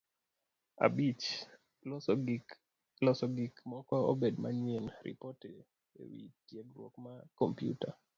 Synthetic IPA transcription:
a̰bit͡ʃ | lɔsɔɡikmɔkɔobedma̰ɲenɾḭpote | ḛwḭtjeɡɾwo̰kmakɔmpjṵta

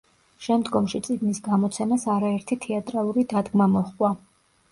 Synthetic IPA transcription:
ʃɛmd̪ɡɔmʃit̪sʼiɡnisɡamɔt̪sʰɛmasaɾaɛɾt̪ʰit̪ʰɛat̪ʼɾalˠuɾid̪ad̪ɡmamɔχkʼwa

